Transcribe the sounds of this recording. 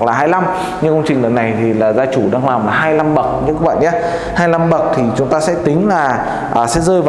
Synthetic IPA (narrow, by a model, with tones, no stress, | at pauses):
k̚laː˨˩ɦaː˧jla˧m | ɲɨ˧ŋkə˧wŋ͡mt͡ɕï˨˩ŋ̟lə˨˩na˨˩jt̪ʰi˨˩laː˨˩zaː˧t͡ɕu˧˩ɗaː˧ŋlaː˨˩mlaː˨˩ɦaː˧jla˧mɓə˨˩k̚ɲɨ̰˧˥kəː˨˦˥ɓa̰ː˧˨ʔa˨˦ | haː˧jla˧mɓə˨˩k̚t̪ʰi˨˩t͡ɕʊ˨˦ŋ͡mt̪aː˧sɛ̰˧˥t̪ï˨˦ŋ̟laː˨˩ | ʔəː˨˩sɛ̰˧˥zəː˧jv